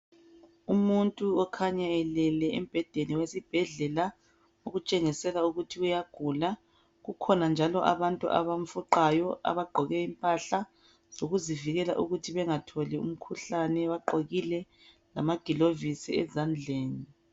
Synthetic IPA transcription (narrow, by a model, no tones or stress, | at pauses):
umuntʼuɔkʰaɲaɛlɛlɛem̩b̥ʱɛd̥ʱeniwesib̥ʱɛɮɛla | oɣut͡ʃʼeŋisɛlauɣutʰiujaɡ̥ʱula | ɣukʰɔnand͡ʒʱalɔʔa̰βantʼṵʔa̰βam̩fuǃajɔa̰βaɡ͡ǃʱɔɣɛimpʼaɬa | z̥oɣuziviɣɛlaʔuɣutʰiβɛŋatʰɔliṵm̩kʰuɬanɛβaǃoɣilɛ | lamaɡ̥ʱilovisiɛ̰zand͡ɮʱeːni